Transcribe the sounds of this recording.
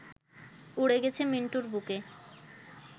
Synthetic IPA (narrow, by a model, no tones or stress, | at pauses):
uɽeɡet͡ɕʰemiɳʈuɾbuke